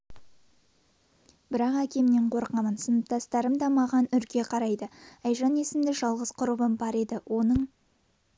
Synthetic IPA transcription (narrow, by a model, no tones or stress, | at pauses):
b̥ɪɾɑqækʲe̞mneɴqʰo̞ɾqɑmənsənəp̚t̪ʰɑst̪ɑɾəmd̪ɑmɑʁɑnʏɾkʲe̞qʰɑɾɑjd̪əɑjʒɑne̞sɪmd̪ɪʒɑlˠʁəz̥qʰʊɾəbəmbɑɾe̞d̪ɪwʔo̞nəɴ